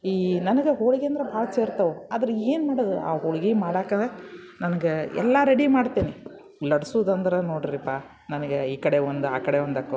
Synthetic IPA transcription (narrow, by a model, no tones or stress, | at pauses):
iːnɐnɐɡeɦoɭiɡeɐnd̪ɐɾebʱaːɭɐt͡ʃeːɾt̪ɐʋuad̪ɐɾɐeːnmaːɽɐd̪ua̰ːɦoɭiɡemaːɽaːkɐnd̪ɾe | nɐnɐɡeɛ̰lːɐɾeɽimaːɽt̪iːni | lɐɽɐsuːd̪ɐnd̪ɐɾenoːɽɾipaː | nɐnɐɡeiːkɐɽeʋond̪uaːkɐɽeʋond̪ɐkːo